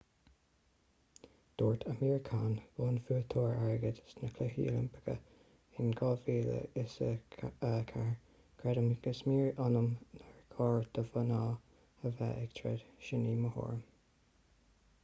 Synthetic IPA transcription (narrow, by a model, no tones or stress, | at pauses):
d̪̥oːɹt̪ʰəmiːɹkʰaːnvoːnfuːt̪ʰoːɹaɹɡədsnəkʰlɛɦḭːlə̰mpʰə̥ɡə̰ | ɪnɡɔviːlə̰ɪsəəkʰaɹ | kʰɹɛdəmɡəsmiːɹɑnəmnaɹkʰɑːɹd̪̥əvənɑː | əvɛ̰ʔɛɡt̪ʰɹɛ̰d̥̪ʃɪniːməho̰ːɹm